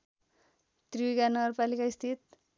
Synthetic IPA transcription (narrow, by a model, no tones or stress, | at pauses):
t̪riikanʌɡʌrpalikaist̪ʰit̪̚